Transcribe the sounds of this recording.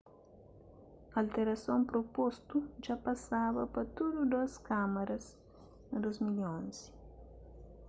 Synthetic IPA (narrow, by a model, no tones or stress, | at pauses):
alt̪eɾɐsõmpɾopost̪ud͡ʒapɐsabɐpɐt̪ud̪ud̪oskamɐɾɐs | d̪ozmiʎõnzi̥